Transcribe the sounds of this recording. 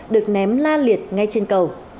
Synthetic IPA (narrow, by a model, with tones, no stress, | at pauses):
ɗɨ˨˩ək̚nɛ˨˦mlaː˧li˨˩ət̚ŋa˧jt͡ɕe˧nkə˨˩w